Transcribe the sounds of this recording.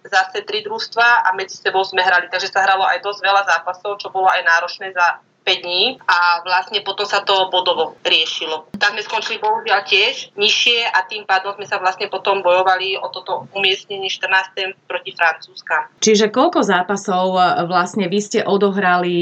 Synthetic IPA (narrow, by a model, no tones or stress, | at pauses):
zasɛt̪ɾid̪ɾuxst̪ʋaʔamɛd͡zi̥sɛbɔʊzmɛɦɾalit̪aɡʒɛsaɦɾalɔʔajd̪ɔzɟʋɛlazaːpasɔʊt͡ʃɔbɔlɔajnaːɾɔt͡ʃnɛːza | pɛɟ̚d̪ɲiːaʋlasɲɛpɔt̪ɔmsat̪ɔbɔd̪ɔʋɔɾɪɛʃilɔt̪aɡzmɛskɔnt͡ʃilipɔɦuʒɪalcɪɛʒɲiʃɪɛʔat̪iːmpaːd̪ɔmzmɛsaʋlasɲɛpɔt̪ɔmbɔjɔʋaliʔɔt̪ɔmt̪ɔumɪɛst̪ɲɛɲɪɛʃt̪r̩naːst̪ɛmpɾɔcifɾant͡suːskamt͡ʃiʒɛkɔʎkɔzaːpasɔʊʋlasɲɛʋiscɛʔɔd̪ɔɦɾali